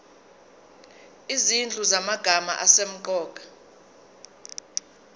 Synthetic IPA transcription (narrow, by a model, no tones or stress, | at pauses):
izind͡ɮʼuzamaɡ̥ʱama̰ʔasem̩ǃɔːk̬ʼḁ